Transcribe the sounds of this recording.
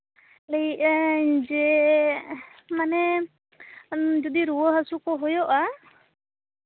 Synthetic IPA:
leiʔad͡ʒɛ | manɛ | d͡ʒɔd̪iɾuwəɦasukɔɦɔjɔʔa

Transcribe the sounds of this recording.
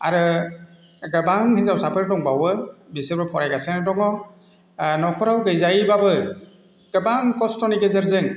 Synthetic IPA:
aɾɯ | ɡəbaŋhezawsapʰɯɾdɔŋbawɯbisebɾɔpʰɔɾajɡasenadɔŋɔ | nɔkʰɔɾawɡɯjzajbabɯ | ɡ̥ɯbaŋkɔstɔniɡezəɾzɯŋ

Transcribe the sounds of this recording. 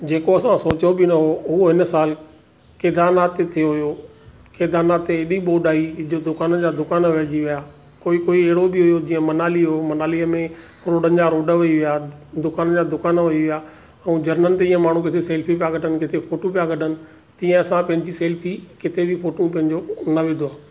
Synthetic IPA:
d͡ʑeːkoɐsãsoːt͡ɕobɪnɐɦoʊoɦɪnəsaːl | keːd̪aːnaːt̪ːet̪ʰijoɦʊjo | keːd̪aːnaːt̪ːeɪɗiɓoːɖaːid̪ʊkaːnəd͡ʑaːd̪ʊkaːnʋɛːd͡ʑiʋijaː | koːikoːiɛɦɪɽobɪɦʊjod͡ʑiːə̃mɐnaːliɦʊjomɐnaːliəmẽ | ɾoːɖənɪ̆d͡ʑaːɾoːɖəʋɐiʋijaːd̪ʊkaːnəd͡ʑaːd̪ʊkaːnʋʊiʋijaː | ɛ̃ːd͡ʑɐɾnənɪ̆t̪eiːə̃maːɳ̤ũk̬ɪt̪ʰeseːlpʰipijaɡɐɖənɪ̆kɪt̪ʰefoːʈopijaɡɐʈʰənɪ̆ | t̪ĩːə̃ɐsãpɐ̃ɦɪ̃ɲd͡ʑiseːlfʰikɪt̪ʰebifoːʈũpɐ̃ɦɪ̃ɲd͡ʑonɐʋɪ̃d̪ʱoaː

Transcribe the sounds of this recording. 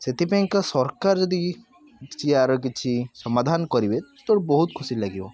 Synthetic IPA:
set̪ipẽŋkasɔɾkaɾd͡ʒɔd̪i | t͡ʃʰiaɾk̬it͡ʃʰisɔmad̪ʱankɔɾibet̪oɽbɔɦut̪̚kʰʊsilaɡibɔ

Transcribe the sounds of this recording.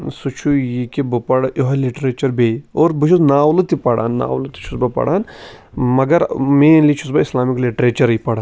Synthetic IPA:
sut͡ʃʰujikibɨpɐɽʔoɦɐliʈɾeːt͡ʃɐɾbeːoːɾbɨt͡ʃʰuznaːwlɨt̪ipɐɽa̰ːnːa̰ːwlɨt̪i̥t͡ʃʰusbɐpɐ̰ɽaːn | mɐɡɐɾmeːnlit͡ʃʰusbɐislaːmikliʈɾeːt͡ʃɐɾipɐɽa

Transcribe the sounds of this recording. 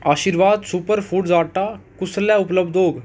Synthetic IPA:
aːʃiːɾʋaːd̪supəɾpʰuːɖzaːʈaːkʊslɛːʊpləbd̪oːɡ

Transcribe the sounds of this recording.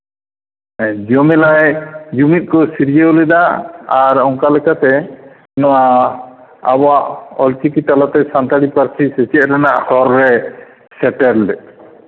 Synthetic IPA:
d͡ʒɔmɛlajd͡ʒumit̪̚ˀkɔsiɾid͡ʒeɔlɛd̪aaɾɔŋkalɛkat̪ɛ | nɔwa | a̰bɔaʔɔlt͡ʃikit̪alat̪ɛsant̪aɽipaɾsisɛt͡ʃɛɾanaʔhɔɾːɛ | sɛʈɛɾldɛ

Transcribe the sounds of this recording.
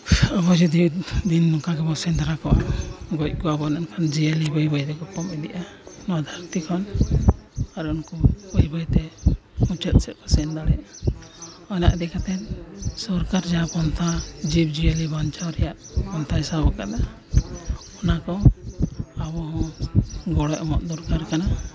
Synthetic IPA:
abɔd͡ʒud̪id̪inːɔkaɡɛbɔsɛnd̪aɾakɔwa̰ɡɔc̚ˀkɔabɔnankʰand͡ʒiəlibɔjbɔjɾɛkɔpɔmɛd̪ɛʔa | nɔd̪ʱaɾt̪ikʰɔn | aɾunkɔbɔjbɔjt̪ɛ | mut͡ʃət̪̚ˀsɛʔ̪̚kɔsɛnd̪alɛja | ɔjna̰ʔd̪ɛkat̪ɛt̪sɔɾkaɾd͡ʒapɔnt̪ʰad͡ʒib̚d͡ʒijəlibant͡ʃawɾɛjaʔpɔnt̪ʰajsabɔkad̪a | ɔnakɔ | abɔɦɔ̃ɡɔɽɔjɔmɔ̰ʔ̪̚d̪ɔɾkaɾkana

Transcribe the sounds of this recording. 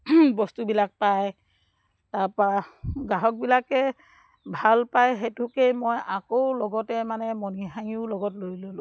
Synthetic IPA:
bɔstubilak̚paj | taɹpaɡaɦɔk̚bilakɛ | bʱalpajɦetʊkejmojakoʊlɔɡɔtɛmanɛmɔniɦaŋiʊlɔɡɔtloɹlolʊ̃

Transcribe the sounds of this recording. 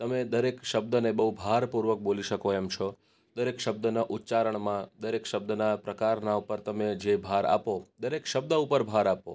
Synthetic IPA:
t̪əmed̪əɾekʃəb̚d̪ənebəɦubʱaɾpuɾʋək̚boliʃəkoɛmt͡ʃʰo | d̪əɾekʃəb̚d̪ənaʔut̪ːt͡ʃaɾəɳmãd̪əɾekʃəbd̪ənapɾəkaɾnaupəɾt̪əmed͡ʒebʱaɾa̰pod̪əɾekʃəb̚d̪əupəɾbʱaɾapo̰

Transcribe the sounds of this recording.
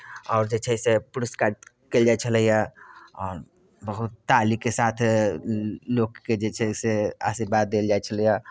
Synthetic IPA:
ɔːɾd͡ʒet͡ʃʰɛsepuɾiskaɖ̚ | keld͡ʒat͡ʃʰələjaɔːɾ | bəɦut̪ːalikesat̪ʰ | lokːked͡ʒet͡ʃʰɛsea̰ʃiɾbad̪ːeld͡ʒaet͡ʃʰələja

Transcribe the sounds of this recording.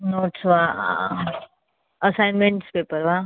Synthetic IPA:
noːʈsʋa | əsajnmẽɳʈspeːpəɾʋa

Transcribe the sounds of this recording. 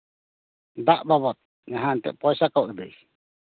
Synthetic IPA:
d̪aʔbaβɔt̪̚ | ɲaɦant̪ɛ̰ʔpɔjsakawd̪ɛj

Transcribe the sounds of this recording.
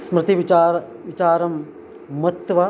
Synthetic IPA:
smɾɪt̪iʋiaːʋit͡ʃaːɾɐmː | ɐt̪ʋɐ

